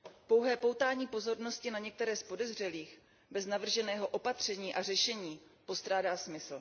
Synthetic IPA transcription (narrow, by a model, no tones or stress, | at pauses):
po̞wɦɛːpo̞wt̪aːɲiːpo̞zo̞ɾno̞scɪnaɲɛk̚t̪ɛɾɛːspo̞dɛzr̝ɛliːx | bɛznavr̩ʒɛnɛːɦo̞ʔo̞pat̪r̝̥ɛɲiːʔar̝ɛʃɛɲiːpo̞st̪ɾaːdaːsmɪsl̩